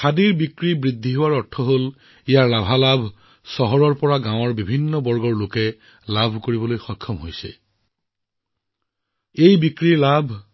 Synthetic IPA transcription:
kʰadiɹbikɹibɹidʱːiɦowaɹɔɹtʰːɔɦol | ijaɹlabʱalabʱ | sɔɦɔɹɔɹpɔɹaɡãwɔɹbibʱinːɔbɔɹɡɔɹlokɛ | labʱkoɹibɔlojxɔkʰːɔmɦojsɛ̰ | ejbikɹiɹlabʱ

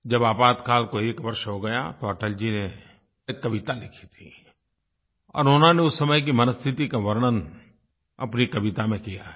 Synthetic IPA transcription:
d͡ʒɐbaːpaːt̪kaːlkoeːkʋɐɾʃɦoɡɐja̰t̪oəːʈəld͡ʒine | ekːɐʋɪt̪alɪkʰi̥t̪ʰi | ɔ̰ːɾoːnãneʊsːɐməjk̬imɐnəst̪ʰɪt̪ikaʋɐɾnən | ɐ̰pnikɐʋɪt̪amẽkija

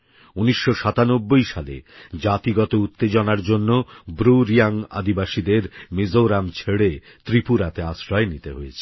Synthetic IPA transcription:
uniʃːoʃat̪anobːojʃalḛd͡ʑat̪iɡɔt̪out̪ːed͡ʑonaɾd͡ʑonːobɾuɾijaŋa̰d̪ʱibaʃid̪eɾmizoɾamt͡ɕʰeɽe | t̪ɾipuɾat̪eaʃɾɔenit̪eɦojet͡ɕʰe̥

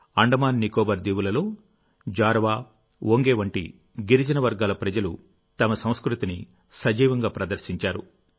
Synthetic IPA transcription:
ɐɳɖɐmaːnːikoːbɐɾd̪iːwulɐlo̞ː | d͡ʒaːɾʋaː | woŋɡeːʋɐɳʈḭ | ɡiɾid͡ʒɐnɐʋɐɾɡaːlɐpɾɐd͡ʒɐlu | t̪ɐmɐsɐ̃w̃skɾut̪ini | sɐd͡ʒiːʋɐŋɡaːpɾɐd̪ɐɾsiɲt͡ʃaːɾṵ

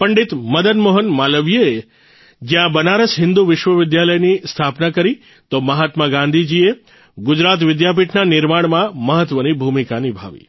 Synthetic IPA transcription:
pəɳɖit̪məd̪ənmoɦənmaləʋijee | d͡ʒjãbənaɾəsɦɪ̃nd̪uʋɪʃʋəʋɪd̪jaləjnist̪ʰapnakəɾi | t̪oməɦat̪məɡãnd̪ʱid͡ʒie | ɡʊd͡ʒɾat̪ʋɪd̪jap̬iʈʰnanɪɾmaɽ̃mãməɦət̪ʋənibʱumikanibʱa̰ʋḭ

